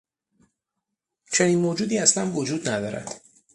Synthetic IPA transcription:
t͡ʃʰe̞niːnmoːd͡ʒuːd̪iːæslænvod͡ʒuːd̪næd̪ɒːɾæ̰d̪̥

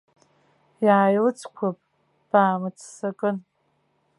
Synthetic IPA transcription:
jaːjlɨt͡sʰkʷʰapʼ | b̥aːmɨt͡sʰsakʼɨn

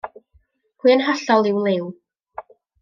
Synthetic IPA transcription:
hwiːənɦaɬɔlˠɪwlˠew

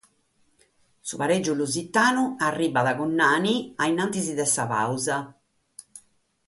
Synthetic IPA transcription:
suβaɾed͡ʒːuluzit̪ːaːnuarːiːbaðaɣɔnːaːniainant̪iziðɛsapa̰wza

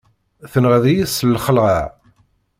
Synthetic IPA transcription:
θənʁəðijisəlːχəlʁəʕ

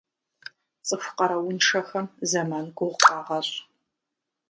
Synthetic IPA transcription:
t͡sʼɨfʷqɐɾɐwʊnʂɐxɐmzɐmaːnɡʷʼʊʁqʼɑːʁɐɕʼ

